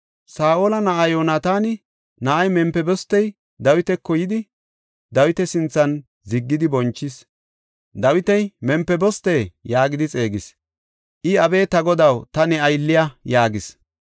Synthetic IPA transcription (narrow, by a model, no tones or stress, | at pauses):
saːʔoːlɐnɐʔajoːnat̪aːnɪ | nɐʔɐjmɛmpːɛbɔst̪ːɛj | d̪ɐwɪt̪ɛkːɔjɪd̪ɪ | d̪ɐwɪt̪ɛsɪnt͡sːɐn | zɪɡːɪd̪ɪbɔnt͡ʃːɪs | d̪ɐwɪt̪ɛjmɛmpːɛbɔst̪eːjaːɡɪd̪ɪt͡sʼe̞ːɡɪs | ʔɪɐbeːt̪ɐɡɔd̪ɐwt̪ɐnɛɐjlːɪjɐjaːɡɪs